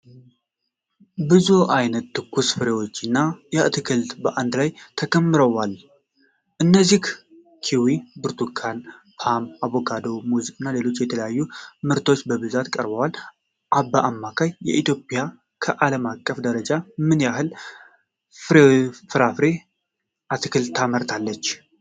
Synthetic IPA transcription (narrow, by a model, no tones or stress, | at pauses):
bɨzuʔajnət̪ːɨkʰːusfɨɾe̞wo̞t͡ʃːɨnːajɛʔt̪ʰɨkʰɨlt̪bəʔand̪lajt̪ʰəkʰəmːɨɾəwal | ʔɨnːəzik | kʰiwibɨɾt̪ʰukʰan | pʰamaβokʰad̪o̞muzikʼɨnːale̞lo̞t͡ʃːjɛt̪ʰələjajːumɨɾt̪ʰo̞t͡ʃːbəβɨzat̪kʼəɾbəwal | ʔabːaʔamːakʰajːɛ̰ʔit̪jo̞pʼja | kʰəʔaləmakʼːəfd̪əɾəd͡ʒamɨnjaɦɨl | ɾfɨɾafɾe̞ | ʔat̪ʰɨkɨlʰːaməɾt̪ʰalːət͡ʃː